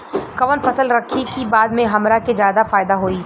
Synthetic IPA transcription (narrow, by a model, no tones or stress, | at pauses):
kɐʋənfɐsəlɾɐkʰːikibaːd̪mẽɦɐmɾaked͡ʒjaːd̪afaːɪd̪aɦoːiː